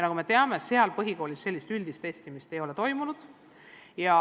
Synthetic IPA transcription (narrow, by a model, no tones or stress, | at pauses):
nɑɡ̥ume̞t̪e̞ɑme̞se̞ɑlpɤɦiko̞ːlʲisse̞lːist̪ylʲd̪̥ist̪eːsʲt̪imist̪e̞jo̞le̞t̪o̞jmunud̪̥ | jɑ